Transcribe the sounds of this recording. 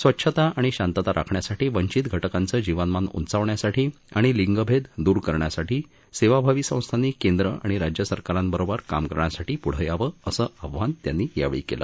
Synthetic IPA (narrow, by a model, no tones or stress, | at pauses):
sʋətːɕʰət̪aaɽ̃iɕant̪ət̪aɾʔa̰kʰɳjasaʈiːʋəɲt͡ɕit̪ɡʱəʈəkant͡səːd͡ʑiʋənmanṵnt͡saʋɳjasaʈʰiː | a̰ɽ̃iliŋɡəbʱed̪d̪uːɾkəɾɳjasaʈʰiː | seʋabʱaʋiːsə̃w̃st̪ʰaniːkend̪ɾəa̰ɽ̃iɾad͡ʑjəsəɾkaɾãnbəɾobəɾkamkəɾɳjasaʈiːpuɽ̤əjaʋəəsəːəʋʱʋant̪janːiːja̰ʋɭḭːkḛlə̰ː